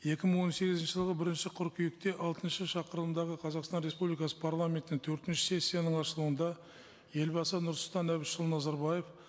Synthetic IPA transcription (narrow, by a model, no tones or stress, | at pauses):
je̞kʲɪməɴwo̞nse̞ɡʲɪzɪnʃɪʒəlˠʁəbɪɾɪnʃɪqʰʊɾkʰʲijɪk̚t̪e̞ʔɑlˠt̪ənʃəʃɑqəɾlˠəmd̪ɑʁəqʰɑzɑqst̪ɑnɾespublijkɑsə̥pʰaɾlˠamʲe̞nt̪ɪnɪŋt̪ʰɵɾt̪ɪnʃɪ̥se̞sʲːijanəɴɑʃəlˠuənd̪ɑ | je̞lbɑsənʊɾsʊlˠt̪ɑnæβɪʃəlˠnɑzɑɾbɑje̞f